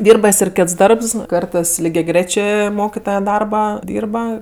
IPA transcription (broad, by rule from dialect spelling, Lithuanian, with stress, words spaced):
ˈdʲiːrbɐ ˈjɪs ɪr ˈkʲeːts ˈdɐrps ˈkɐrtɜs lʲɪɡʲɛˈɡrʲeːt͡ʃʲeː ˈmoːkʲɪtoːjɛ ˈdɐrbɐˈdʲiːrbɐ